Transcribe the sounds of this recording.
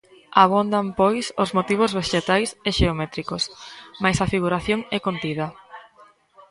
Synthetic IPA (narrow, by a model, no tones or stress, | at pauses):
aβond̪ampɔjsozmot̪iβ̞ozβeʃet̪ajseʃeomɛt̪ɾikosmajsɐfiɣuɾaθjoŋɛkont̪ið̞ɐ